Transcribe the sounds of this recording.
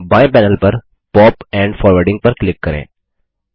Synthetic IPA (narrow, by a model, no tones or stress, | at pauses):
baːjpɛːnəlpɐɾ | pɔːpɛ̃ːɳɖfɔːɾʋəɾɖɪ̃ŋɡ̚pəɾklɪkːɐɾḛ̃ː